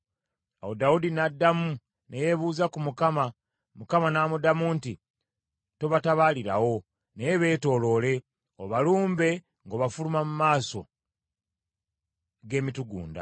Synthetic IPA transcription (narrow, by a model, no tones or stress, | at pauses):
awodaudinadːamu | neje̞βuːzakumukama | mukamanaːmudamuːnti | to̞βataβaːliɾawo̞ | nejeβe̞ːto̞ːlo̞ːle̞ | oβaluːmbe̞ | ŋɡoβafulumamumaːso̞ | ɡe̞ːmituɡṵːnda̰